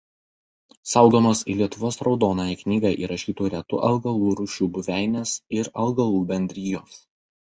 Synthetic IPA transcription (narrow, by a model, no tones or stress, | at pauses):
sɑʊɡoːmoːsḭlʲiɛt̪ʊʋoːsɾɒʊd̪oːnojɛknʲiːɡɑʔḭːɾɐʃʲiːt̪uːɾʲɛt̪ʊ̰ʔɐlˠɡɐlˠuːɾʊʃʲuːbʊʋʲæˑɪnʲeːsɪɾɐlˠɡɐlˠuːbʲɛnʲd̪ʲɾʲiːjoːs